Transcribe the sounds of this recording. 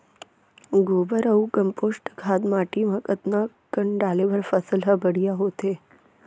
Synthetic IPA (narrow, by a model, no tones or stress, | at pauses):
ɡoːbəɾəũkəmposʈɡʱad̪maʈiməkət̪na | kəɳɖaleʋəɾfəsəlɦəbəɽijaɦot̪e